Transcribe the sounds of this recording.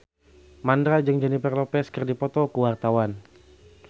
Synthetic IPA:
mandɾad͡ʒɨŋd͡ʒɛnipɛrlɔpɛskərdipɔt̪ɔkuwart̪awan

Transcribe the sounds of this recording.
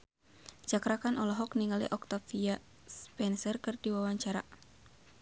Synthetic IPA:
d͡ʒakɾakanɔlɔɦɔkniŋalḭʔɔk̚t̪afia | spɛnsərkɨrdiwawaɲt͡ʃaɾa̰

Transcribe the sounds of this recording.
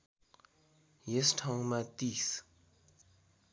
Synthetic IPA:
jəsʈ͡ʂʰaŋmat̪is

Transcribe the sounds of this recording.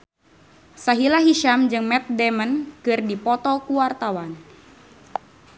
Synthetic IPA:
saɦilaɦiʃamd͡ʒɨŋmɛt̪̚dɛmənkɨrdipɔt̪ɔkuwart̪awan

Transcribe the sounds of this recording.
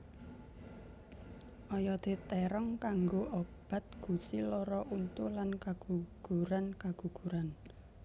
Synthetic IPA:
ʔɔjɔd̪̥e̤t̪ɛɾɔŋkaŋɡoʔob̥a̤t̪̚ɡ̥ṳsilɔɾɔʔunt̪ulankaɡ̥uɡ̥ṳɾankaɡ̥ṳɡ̥ṳɾan

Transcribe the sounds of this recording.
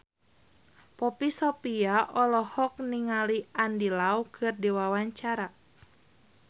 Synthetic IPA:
pɔpisɔpiaʔɔlɔhɔk̚niŋaliandilaukʰɨrdiwawaɲt͡ʃaɾa

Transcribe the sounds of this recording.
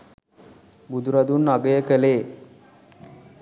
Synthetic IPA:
bud̪uɾad̪uːnːaɡəjəkəle

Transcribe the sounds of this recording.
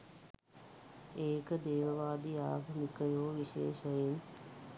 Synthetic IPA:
eːkəd̪eːʋəʋaːd̪ijaːɡʱəmikəjoːʋiʃḛːʃəjin

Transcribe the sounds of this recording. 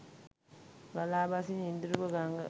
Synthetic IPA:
ɡalaːbasiɲind̪uɾubəɡaŋɡə̰

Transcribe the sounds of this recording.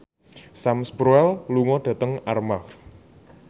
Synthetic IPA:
samsbɾuɛlluŋɔɖ̥ä̤t̪əŋarmaf

